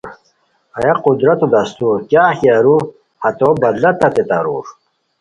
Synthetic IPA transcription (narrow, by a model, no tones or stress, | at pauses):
ɐjɐqud̪ɾɐt̪ud̪ɐst̪uɾkjaːxiaɾu | hɐt̪obɐd̪lɐt̪ɐt̪et̪a̰ɾuːɾ